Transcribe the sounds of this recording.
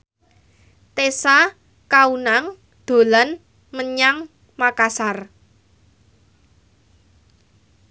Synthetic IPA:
t̪esa | kaunaŋ | d̪̥o̤lan | məɲaŋ | makasar

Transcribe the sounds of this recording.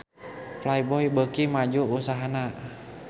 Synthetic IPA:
flajbɔjbəkimad͡ʒuusaɦana

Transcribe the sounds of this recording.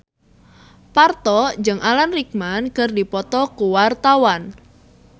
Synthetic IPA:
part̪ɔd͡ʒəŋʔalanrik̚mankərdipɔt̪ɔkuwart̪awan

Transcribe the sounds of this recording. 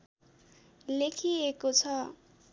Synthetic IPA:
lekʰiekot͡sʰʌ

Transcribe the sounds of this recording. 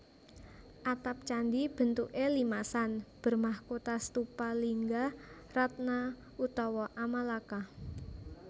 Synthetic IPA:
ʔat̪ap̚t͡ʃand̪ib̥ə̤nt̪uʔelimasanb̥ə̤rmahkot̪ast̪upaliŋɡa | rat̪̚na | ut̪ɔwɔʔamalaka

